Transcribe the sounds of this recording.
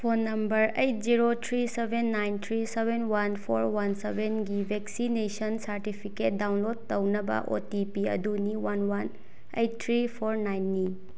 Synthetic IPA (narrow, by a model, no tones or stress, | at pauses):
pʰonːɐmbɐɾejt̚ziɾotʰɾisebenːajnt̪ʰɾisebʱenwanpʰoɾwansebenɡibʱeksinesɐnsɐɾtipʰiket̚dawnlod̚tɐwnɐbɐ̰ʔo̰tipiɐ̰duniwanwan | ḛjtt̪ʰːɾipʰoɾnajnːi